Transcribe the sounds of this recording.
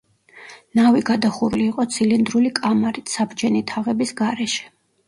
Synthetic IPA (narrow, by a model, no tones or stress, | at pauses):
naviɡad̪aχuɾliːqʼɔt̪sʰilind̪ɾulikʼamaɾit̪ʰsabd͡ʒɛnit̪ʰaʁɛbisɡaɾɛʃɛ̥